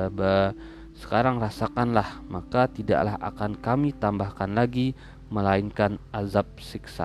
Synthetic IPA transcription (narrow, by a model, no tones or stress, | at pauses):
ba | sə̥kaɾaŋrasakanlahmakat̪ida̰ʔlaɦa̰kankamit̪ambahkanlaɡi | məlainkanazap̚siksa̰